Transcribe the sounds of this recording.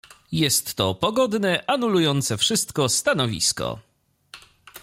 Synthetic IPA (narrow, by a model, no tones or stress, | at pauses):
jɛst̪ːɔpɔɡɔd̪nɛʔanulujɔnt̪sɛfʂɘst̪kɔst̪anɔvʲḭskɔ̰